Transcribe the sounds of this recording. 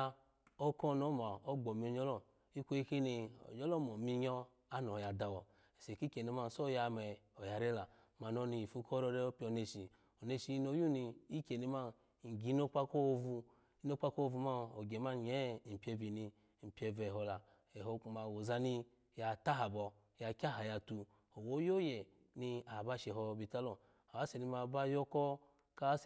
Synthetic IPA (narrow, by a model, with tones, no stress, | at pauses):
o˦kɔ˦˨no˦ma˨o˦ɡ͡bɔ˨mi˧o˨˧ɲɔ˦lɔ˦ | i˦kʷo˦i˧ki˦ni˧o̰˨ɲɔ˦lɔ˦˨mɔ˨mi˧ɲɔ˧ | a˦nɔ˨ja˨da˧˨wɔ˨ | ɛ˨se˨ki˦ke˨ni˧ma˧˨so˦ja˧mɛ˨o˨ja˨ɾe˦la˨ | ma˨no˧˦ni˧i˨fu˧˦ko˦ɾɔ˧ɾe˧˦o˦pi˧˦o˧ne˧ʃi˨ | o˨ne˧ʃi˧i˧˦no˧˦ju˦ni˧i˦ke˨ni˧ma˦˨ | ɡi˨˦no˦k͡pa˦ko˦˧vu˧ | i˦no˦k͡pa˦ko˦˧vu˧ma˦o˨ɡe˨ma˦n˨ɲe˦˨m̩˨pʲe˧vi˨ni˧˨ | m̩˨pʲe˧vɛ˨ɦo˧la˨ | e˨ɦo˧ku˧ma˨wo˨za˧ni˧ | ja˧ta˦ɦa˨bɔ˧ | ja˧kʲa˦˨ɦa˨ja˧tu˧ | o˨wo˦jo˦je˨ | ni˧a˨ba˦ʃe˧˨ɦɔ˧bi˧˨ta˦lo˨ | a˨wa˨˦se˨ni˧ma˧˨ba˦jo˦kɔ˦ | ka˦s